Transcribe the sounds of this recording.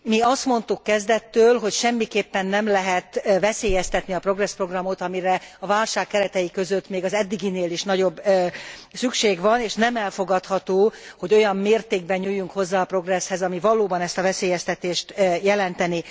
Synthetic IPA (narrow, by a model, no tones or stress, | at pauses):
miɒst̪mo̞nt̪ukːɛzd̪ɛt̪ːøːlɦo̞cʃɛmːikeːpːɛnːɛmlɛɦɛt̪vɛseːjɛst̪ɛt̪niɒpro̞ɡrɛspro̞ɡrɒmot̪ɒmiɾɛɒvaːlʃaːkːɛɾɛt̪ɛjikø̞zø̞t̪ːmeːɡɒzɛd̪ːiɡineːliʃnɒɟo̞bː | sykʃeːɡvɒneːʃnɛmɛlfo̞ɡɒt̪hɒt̪oːho̞ɟo̞jɒmːeːrt̪eːɡ̚bɛɲɲuːjːuŋkho̞zːaːɒpro̞ɡrɛshɛzɒmivɒloːbɒnɛst̪ɒvɛseːjɛst̪ɛt̪eːʃt̪ːjɛlɛnt̪ɛni